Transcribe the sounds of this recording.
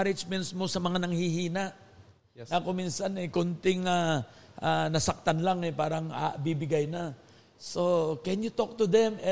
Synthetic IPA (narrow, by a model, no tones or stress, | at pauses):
ɾɪd͡ʒmɛnt̪smo̞sɐmɐŋanɐŋhihiːnɐʔ | nɐkʊmiːnsɐnɛkʊnt̪ɪŋaʔanɐsɐk̚t̪anlaŋɛpaːɾɐŋa̰bibɪɡajnɐ | so̞kɛnjʊt̪ok̚t̪ʊd̪ɛmɛ